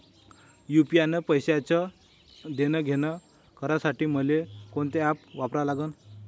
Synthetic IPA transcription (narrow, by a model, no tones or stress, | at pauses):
jupianepəjɕeat͡ɕə | d̪enəɡʱenə | kəɾasaʈiːm̤əlekoɳt̪eapʋapɾalaɡəːn